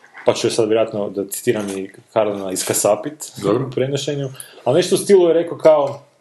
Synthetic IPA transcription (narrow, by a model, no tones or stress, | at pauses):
pat͡ʃuosad̪ʋjeɾoat̪nod̪at̪si̥t̪iːɾamikaɾanaiskasapit̪d̪oɾpɾenoʃeɲualneʃt̪oust̪ilˠujeɾe̞kokao